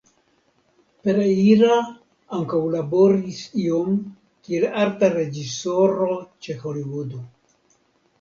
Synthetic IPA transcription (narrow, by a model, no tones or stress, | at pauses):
peɾaiɾa | aŋkawlaboɾisiom | kielaɾt̪aɾed͡ʒisoɾot͡ʃexoliwud̪o